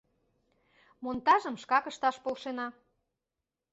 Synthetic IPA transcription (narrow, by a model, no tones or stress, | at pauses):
mont̪ɑʒəmʃkɑkəʃt̪ɑʃpolʃenɑ